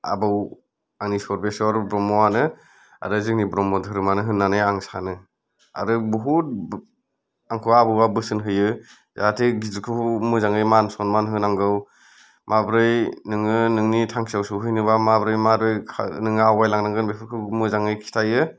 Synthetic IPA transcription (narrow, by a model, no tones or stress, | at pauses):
a̰bɯw | aŋnisɔɾbesɔɾbɾɔmɔwanɯ | a̰ɾɯzɯŋnibɾɔmɔdʰʱɯɾɯmanɯɦɯnːanɯjaŋsa̰nɯ | a̰ɾɯbuɦut̚ | aŋkʰɯwabɯwabɯsɯnɦɯjɯ | zatʰiɡizɯkʰɯmɯzaŋɯjmansɔnmanɦɯnaŋɡɯw | mʔabɾɯjnɯŋɯnɯŋnitʰaŋkʰi̥sawsɯwɦɯjnɯβamabɾɯjmaɾɯjkʰanɯŋawajlaŋnaŋɡɯnbepʰɯɾkʰɯmɯzaŋɯjkʰi̥tʰajɯ